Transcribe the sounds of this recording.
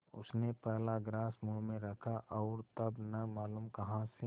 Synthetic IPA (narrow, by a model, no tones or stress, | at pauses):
ʊ̰snepɛɦlaɡɾaːsmumẽɾɐkʰaʔɔːɾt̪ɐbnɐmaːluːmkɐɦãse